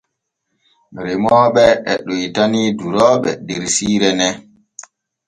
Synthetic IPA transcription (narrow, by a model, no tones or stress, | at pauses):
ɾɛmɔːɓɛɛɗujtaniduɾɔːɓɛ̰deɾsiːɾɛnɛ